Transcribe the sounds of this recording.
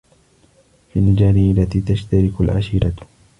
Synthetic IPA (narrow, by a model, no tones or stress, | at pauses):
finɪd͡ʒaːnɪɪlːat̪iːt̪aʃt̪aɾɪkalʕa̰ʃiːɾa